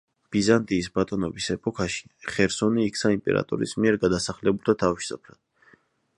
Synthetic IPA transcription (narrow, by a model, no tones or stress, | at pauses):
b̥izant̪ʼiːsbat̪ʼɔnɔbisɛpʼɔkʰaʃi̥χɛɾsɔniːk̪ʰsʰaimpʼɛ̰ɾa̰t̪ʼɔ̰ɾḭsmiɛɾɡad̪asaχlɛbulˠt̪ʰat̪ʰaviʃsapʰɾad̪̥̚